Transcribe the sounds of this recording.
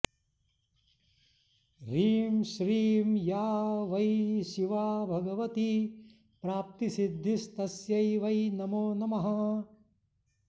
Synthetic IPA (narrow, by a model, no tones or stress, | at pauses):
ɾiːmʃɾiːmjaːʋɐjʃiʋaːbʱɐɡɐʋɐt̪i | pɾaːp̚t̪isid̪ʱːist̪ɐsjɐjʋɐjnɐmoːnɐmɐɦɐ